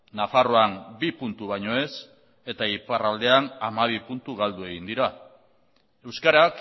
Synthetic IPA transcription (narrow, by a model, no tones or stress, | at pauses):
nafaro̞anbipunt̪uβ̞ajɲo̞e̞s | e̞t̪aiparald̪e̞anamaβ̞ipunt̪uɣ̞ald̪ue̞ɣind̪iɾa | e̞wskaɾak